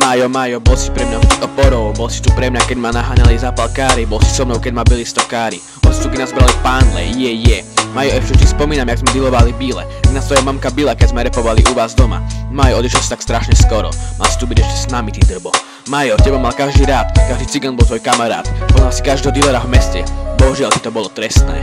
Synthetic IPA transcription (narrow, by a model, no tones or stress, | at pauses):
majɔmajɔbɔlsipɾɛmɲat̪iɔpɔɾɔʊbɔlsi̥t̪upɾɛmɲakɛɟmanaɦaɲalizaːpalkaːɾibɔlsi̥sɔmnɔʊkɛɟmabilist̪ɔkaːɾi | bɔsi̥t̪ukɛnazbɾalifpaːnlɛ̰jɛjɛmaːjɔʔɛʃt͡ʃɛt̪ispɔmiːnamɛjaɡzmɛd̪ilɔʋalibilɛ̰aɡnast̪ɔjɛmamkabilɛkɛɟzmɛɾɛpɔʋalḭʔuʋaːzd̪ɔma̰majɔɔd̪iʃɛlsi̥t̪akst̪ɾaʃɲɛskɔɾɔ̰ma̰lsi̥t̪ubiɟɛʃcɛsnamit̪id̪r̩bɔ | majɔcɛbamalkaʒd̪iːɾaːt̪kaʒd̪iːt͡siɡanbɔlˠt̪ʋɔjkamaɾa̰ːt̪pɔzalsi̥kaʒd̪ɛɦɔd̪ilɛɾavmɛscɛbɔɦuʒɪalt̪i̥t̪ɔbɔlɔt̪ɾɛst̪nɛ̰ː